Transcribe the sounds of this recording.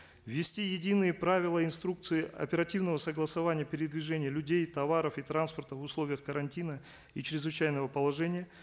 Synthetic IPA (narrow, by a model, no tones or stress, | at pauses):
vʲːɪsʲtʲijɪdʲinɨjəpɾavʲɪlˠəɪnst̪ɾuk̚t̪sɨɪɐ̰pʲɪɾɐtʲivnəvəsəɡlˠəsɐvanʲɪjəpʲɪɾʲɪd̪vʲɪʐɛnʲɪjəlʲʉdʲejt̪ɐvaɾəfit̪ɾanspərt̪əvʊslˠo̞vʲɪjəxkəɾɐnʲtʲinə | it͡ɕɪɾʲɪzvɨt͡ɕæjnəvəpəlˠɐʐɛnʲɪjə